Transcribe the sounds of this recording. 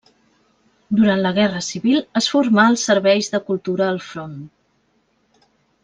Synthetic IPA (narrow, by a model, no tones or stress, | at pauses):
d̪uɾant̪ləɣ̞ɛrəsiβilˠəsfuɾmaəlˠsːəɾβɛjzðəkulˠt̪uɾəːlˠfɾon